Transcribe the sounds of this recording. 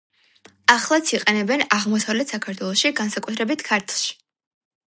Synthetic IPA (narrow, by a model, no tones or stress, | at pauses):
aχlˠat̪sʰiqʼɛnɛbɛnaʁmɔsavlɛt̪ʰsakʰaɾt̪ʰwɛlˠɔʃiɡansakʼut̪ʰɾɛbit̪ʰkʰaɾt̪ʰlˠʃi̥